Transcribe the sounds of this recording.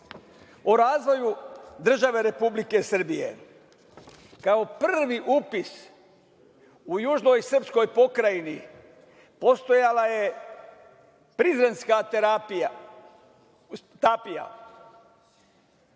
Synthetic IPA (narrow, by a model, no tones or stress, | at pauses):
oɾaːzʋo̞jud̪r̩ʒaʋe̞ɾe̞publike̞sr̩bijḛ | kao̞prʋiʔupis | ujuːʒno̞jsr̩psko̞jpo̞kɾajini | post̪o̞jalaje̞ | pɾizɾe̞nskat̪apa | t̪apija̰